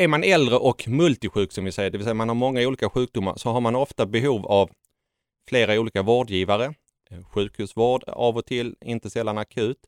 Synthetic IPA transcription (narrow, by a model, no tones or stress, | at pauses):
æɾmanɛld̪ɾəʔɔkmɵlt̪ɪɧʉ̟ːksɔmvɪsɛjːəɖɛvɪlsɛjamanhaɾmɔŋːauːliːkaɧʉ̟ːk̚d̪ʊmːa̰ɾsɔɦaɾmanɔft̪abɛɦuːvav | fleːɾauːliːkavoːɖjiːvaɾə | ɧʉ̟ːkhʉ̟ːsvoːɖa̰vɔt̪ʰɪlːɪnt̪əsɛlːanakʰʉ̟ːt̪